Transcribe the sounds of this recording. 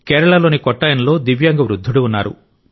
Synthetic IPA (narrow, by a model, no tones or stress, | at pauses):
kɛːɾɐɭɐlo̞ːnikɔʈːɐjɐnlo̞ːd̪iʋjɐːŋɡɐʋɾud̪ʱːuɽuunːaːɾṵ